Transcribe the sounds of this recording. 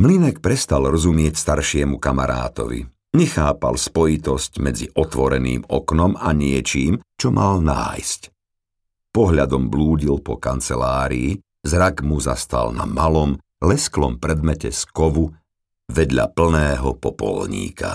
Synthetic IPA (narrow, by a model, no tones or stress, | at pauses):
mlinɛk̚pɾɛst̪alɾɔzumɪɛcst̪aɾʃɪɛmukamaɾa̰ːt̪ɔ̰ʋḭ | ɲɛxaːpa̰lspɔjit̪ɔscmɛd͡ziʔɔt̪ʋɔɾɛnḭːmɔknɔmaɲɪɛt͡ʃiːmt͡ʃɔmʔalna̰ːjsc | pɔɦʎad̪ɔmbluːɟilpɔkant͡sɛlaːɾiː | zɾaɡmuza̰st̪a̰lna̰malɔm | lɛsklɔmpɾɛd̪mɛcɛskɔʋu | ʋɛd̪ʎa̰pl̩nɛːɦɔpɔpɔ̰lɲḭːka̰